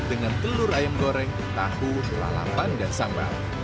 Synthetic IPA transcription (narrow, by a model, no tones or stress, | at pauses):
d̥əŋant̪əlʊɾajəmkoɾɛŋ | t̪ahu | la̰la̰pandansamba̰l